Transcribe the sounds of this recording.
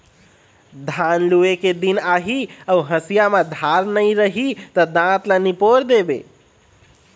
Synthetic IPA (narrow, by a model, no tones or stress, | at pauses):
d̪ʱanlueked̪inaɦiəuɦəsijamad̪ʱaɾnəiɾəɦit̪əd̪ãt̪lanipoɾd̪ebḛ